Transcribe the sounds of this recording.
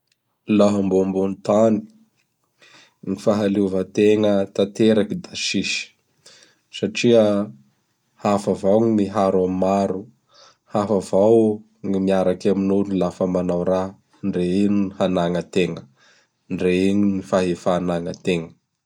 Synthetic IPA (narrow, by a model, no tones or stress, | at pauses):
laɦambombunit̪ani̥ | ŋifaɦaluvət̪eŋət̪at̪eɾakid̪aʃiʃi̥ | saʈ͡ʂiə | hafavawŋimiɦaɾammaɾu | hafavaw | ŋimiaɾakaminunilafəmanawɾa | ɳɖ͡ʐeiniihanaŋət̪eŋə | ɳɖ͡ʐeiɲinifaɦefaːnaŋət̪eŋə